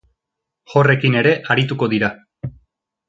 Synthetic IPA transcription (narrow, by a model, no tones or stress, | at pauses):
χo̞re̞kine̞ɾe̞ʔaɾit̪uko̞ðiɾa